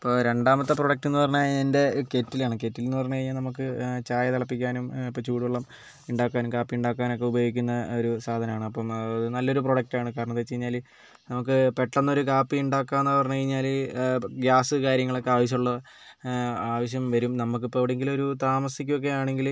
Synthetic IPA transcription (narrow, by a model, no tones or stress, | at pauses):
ɐpːo̞ɾe̞ɳɖaːmɐt̪ːɨproɽɐk̚tːenːɨpɐrɐɲːaende̞ke̞tːilaːɳɨke̞ːtːilonːɨpɐrɐɲːɐkɐɻiɲːaːlnɐmuk̬ːɨt͡ɕaːjɐt̪ɐɭɐpːikʲːaːnumipːot͡ɕuːɽiʋɐɭːɐm | iɳɖaːkːaːnumkaːpːiuɳɖaːkːaːno̞kːe̞ubɐjo̞ːɡikʲːunːɐo̞ɾusaːd̪ʱɐnɐmaːɳɨɐpːɐmɐðɨnɐlːo̞ɾuproɽɐk̚taːɳɨkaːɾɐɳɐt̪ːet͡ɕːe̞jiɲːaːl | nɐmuk̬ːɨpe̞ʈːɐnːɐoɾukaːpːiiɳɖaːkːaːenːɨpɐrɐɲːɐkɐɻiɲːaːl | ɡaːsɨkaːɾjɐŋːɐɭo̞kːeaːʋɐɕ̬jɐmuɭːɐ | aːʋɐɕjɐmʋɐɾumnɐmuk̬ːɨipːoːɐʋiɽeŋɡilo̞ɾut̪aːmɐsikʲːuo̞k̬ːe̞aːɳe̞ŋɡil